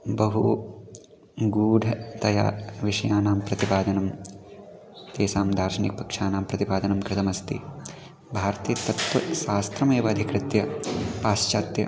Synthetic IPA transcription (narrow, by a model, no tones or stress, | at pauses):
bɐɦu | ɡuːɖʱɐt̪ɐja̰ːʋiʂɐjaːnaːmpɾɐt̪ipaːd̪ɐnɐm | t̪eːsaːmd̪ʱaːɾʃɐnik̚pɐkʂaːnaːmpɾɐt̪ipaːd̪ɐnɐmkɾɪt̪ɐmɐst̪ḭ | bʱaːɾt̪iːt̪ɐt̪ʋɐʃaːst̪ɾɐmeːʋɐːd̪ʱikɾɪt̪jɐpaːʃt͡ʃaːt̪jɐ̰